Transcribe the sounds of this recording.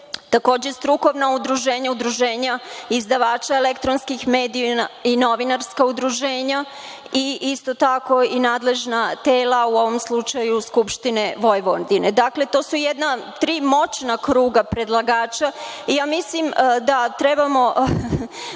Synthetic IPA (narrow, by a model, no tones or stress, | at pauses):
t̪ako̞ːd͡ʑest̪ɾuko̞ʋnaud̪ɾuʒeːɲaud̪ɾuʒe̞ːɲaizd̪aʋaːt͡ʃaelekt̪ɾonskixme̞ːd̪iaino̞ʋinaɾskaud̪ɾuʒeːɲa | iist̪ot̪ako̞inaːd̪le̞ʒnat̪eːlauo̞ʋo̞mslˠut͡ʃajuskupʃt̪ineʋo̞jʋond̪ined̪akle̞t̪o̞ːsujed̪nat̪ɾiːmo̞t͡ʃnakɾuːɡapɾe̞d̪lˠaɡaːt͡ʃa | ijaːmislimd̪at̪ɾebamo̞